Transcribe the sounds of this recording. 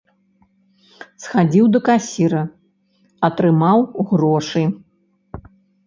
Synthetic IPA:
sxad͡zʲiwd̪ɐkasʲiɾɐ | ɐt̪ɾɨmawɣrɔʂɨ

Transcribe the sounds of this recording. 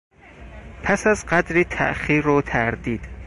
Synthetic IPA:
pʰæsæzɢæd̪ɾiːt̪ʰæ̰ʔxiːɾot̪ʰæɾd̪iːd̪̥

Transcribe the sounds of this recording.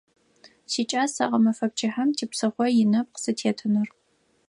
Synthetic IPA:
siːt͡ʃʼaːsa̰ʁɐmɐfɐp̚t͡ʃʰʼɪħɐmtʰiːpsɨχʷɔjɪnɐp̚qsɨtʰeːtʰɨnɨr

